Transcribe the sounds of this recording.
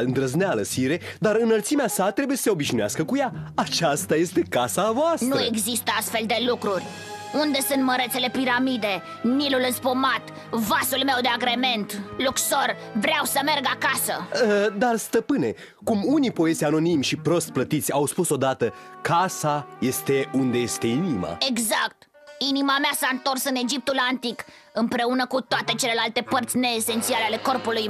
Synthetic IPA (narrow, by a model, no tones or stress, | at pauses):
ɨnd̪ɾəznealəsiɾe̞d̪aɾɨnəlt̪simeasat̪ɾe̞bujesə̥seo̞biʃinoaskəkujaat͡ʃast̪aje̞st̪e̞kasavoast̪nue̞ɡzist̪əast̪fe̞ld̪e̞lukɾurʲ | und̪e̞sunt̪məɾe̞t̪se̞le̞piɾamid̪e̞ | nilulɨnspomat̪ | vasulme̞wd̪eaɡɾe̞me̞nt̪lukso̞r | vɾeawsəme̞rɡakasə̰əd̪arst̪əpɨne̞ | kumunipo̞e̞zʲano̞nimʃipɾo̞st̪̚plət̪it̪sʲawspuso̞d̪at̪əkasaje̞st̪e̞und̪eje̞st̪e̞inima̰e̞ɡzakt̪ | inimameasaɨnt̪o̞rsɨne̞d͡ʒip̚t̪ulant̪ik | ɨmpɾe̞unəkut̪oat̪e̞t͡ʃe̞le̞lalt̪e̞pərt̪sʲne̞ːse̞nt̪sialeale̞ko̞rpuluj